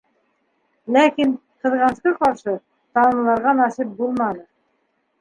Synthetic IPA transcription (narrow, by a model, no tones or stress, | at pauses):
lækinqɤ̆ðʁɑnsqɤqɑɾʃɤ | t̪ɑnɤ̆lˠɑɾʁɑnɑsip̚bulˠmɑnɤ